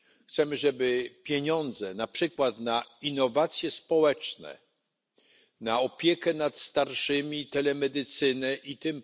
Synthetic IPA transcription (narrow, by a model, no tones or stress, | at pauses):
xt̪sɛmɘʐɛbɘpʲjeɲɔnd̪zɛnapʂɘkwat̪nainːɔvat̪sʲjɛspɔwɛt͡ʂnɛ̰ | naɔpʲjɛkɛnat̪st̪aɾʂɘmʲit̪ɛlɛmɛd̪ɘt̪sɘnɛʔit̪ɪm